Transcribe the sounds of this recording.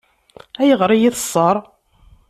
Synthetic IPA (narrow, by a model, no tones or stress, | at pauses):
æjəʁɾˤijiθəsˤːəɾˤ